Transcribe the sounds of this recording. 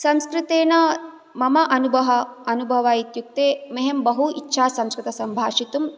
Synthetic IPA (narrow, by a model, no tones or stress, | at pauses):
sɐmskɾɪt̪eːnɐ | mɐmɐʔɐnubʱɐɦɐɐnubʱɐʋaːjit̪juk̚t̪eːmeɦembɐɦuḭtːʃʰaːsɐmskɾɨt̪ɐsɐmbʱaːʂit̪um